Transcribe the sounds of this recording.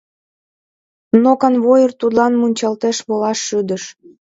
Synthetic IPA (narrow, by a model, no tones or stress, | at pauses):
nokɑnβojərt̪ud̪lɑnmunʲt͡ɕɑlt̪eʃβolɑʃːyd̪əʃ